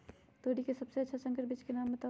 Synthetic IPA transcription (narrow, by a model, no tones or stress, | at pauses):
t̪oːɽikesɐbseɐtːʃʰasə̃ŋkəɾbiːt͡ʃkenaːmːet̪ə